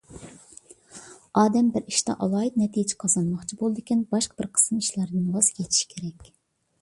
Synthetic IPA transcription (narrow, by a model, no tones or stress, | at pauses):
ɑːd̪ɛmbɪɾiʃt̪ɑ̰ʔɑlˠɑːit̪nɛt̪ʰijd͡ʒɪ̥qʰɑzɑnmɑχt͡ʃʰibolˠɨd̪ɪkʲinbɑʃqʰɑb̥ɪɾqʰə̥sniʃlæɾd̪ɨnwɑzjʲʰet̪ʰi̥ʃkʲʰeɾɛkʲ